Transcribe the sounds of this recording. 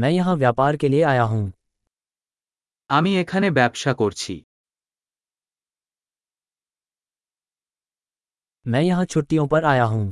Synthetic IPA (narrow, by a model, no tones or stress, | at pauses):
mɛ̃ːjɐɦãʋjaːpaːɾkelieaːjaɦũː | aːmĩeːkʰanebjaːbʃakoɾt͡ʃʰḭː | mɛ̃ːjɐɦãt͡ʃʰʊʈːijõpɐɾaːjaɦũː